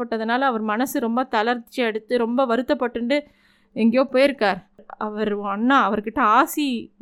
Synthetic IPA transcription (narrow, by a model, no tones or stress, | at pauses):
ɐʈːɐðɐnaːlɐɐʋɐɾmɐnɐsɯɾɔmbɐt̪ɐlɐɾt̪t͡ʃːɯɛɽɯt̪ːɯɾɔmbɐʋɐɾɯt̪ːɐpːɐʈːɯɳɖɯ | ɛŋɡɐjõːpoːjɪɾɯkːaːɾɐʋɐɾɐnːaːɐʋɐɾkɪʈːɐaːsi